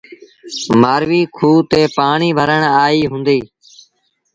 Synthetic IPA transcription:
maːɾʋiːkʰuːt̪eːpaːɳiːbʱəɾəɳaːiːɦʊ̃ːnd̪iː

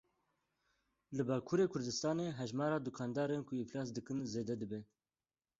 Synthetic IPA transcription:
lɨbɑːkʰuːɾeːkʰʊɾd̪ɨst̪ɑːneːɦɛʒmɑːɾɑːd̪ukʰɑːnd̪ɑːɾeːnkʰʊɪflɑːs̬d̪ɨkɨnzeːd̪ɛd̪ɨbɛ

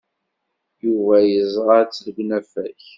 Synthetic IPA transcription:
juvæjəzˤʁɑt͡sːləɡnæfæç

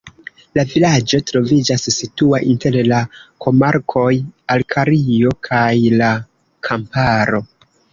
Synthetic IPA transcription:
lavilad͡ʒo̞tɾo̞vid͡ʒasːituaʔinte̞llakʰo̞maɾkʰo̞jalkʰaɾio̞kʰajla | kʰampaɾo̞

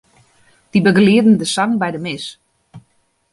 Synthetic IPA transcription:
d̥ibəɡəliədn̩dəsaŋbɛjdəmɪs

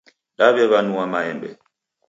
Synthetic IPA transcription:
ɗabɛβanuamajɛmbɛ̰

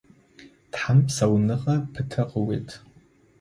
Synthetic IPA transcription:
d̥ħampʰsawnɨqʼapʰɨtʰɨqʼəwḛjtʼʰ

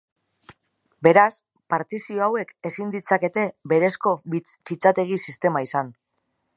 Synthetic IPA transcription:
be̞ɾas | paɾt̪isio̞awe̞ke̞sind̪it͡sake̞t̪e̞be̞ɾe̞sko̞kit͡sat̪e̞ɣ̞isist̪e̞maisan

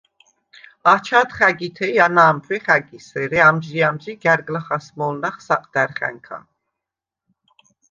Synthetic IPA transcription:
ɑt͡ʃʰat̪χæɡit̪ʰɛjanaːmpʰwɛχæɡisɛɾɛamd͡ʒiamd͡ʒiɡɛɾɡlaχasmɔlnaχsɑqʼd̪̥ɛɾχɛ̰ŋkʰa̰n

